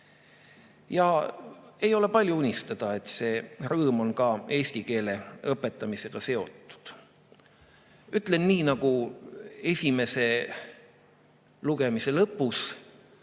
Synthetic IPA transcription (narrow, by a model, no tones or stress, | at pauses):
jɑ | e̞jo̞le̞pɑlʲjuunʲist̪ɑd̪̥ɑe̞t̪se̞ːrɤːmo̞nkɑe̞ːsʲt̪ike̞ːle̞ɤpːˑe̞t̪ˑːɑmise̞ɡ̥ɑse̞o̞t̪ːˑu̥d̪̥ | yt̪ːˑle̞nːiːnɑɡ̥u | e̞sʲime̞se̞ | luɡ̥e̞mise̞lɤpːˑus